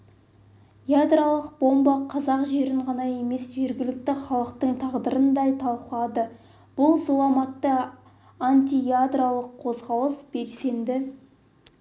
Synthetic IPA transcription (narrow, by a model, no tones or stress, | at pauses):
jad̪ralˠəq̚bo̞mbɑqʰɑzɑqʒe̞ɾɪɴʁɑnɑje̞me̞sʒe̞ɾɡʲɪlɪk̚t̪ɪχɑlˠəqt̪əɴt̪ʰɑʁd̪əɾənd̪ɑjt̪ʰɑlˠqəlˠɑd̪ə | b̥ʊlˠzulˠɑmɑt̪ːə | anʲt̪ʲijad̪ralˠəqʰːo̞zʁɑlˠəsb̥e̞lse̞nd̪ɪ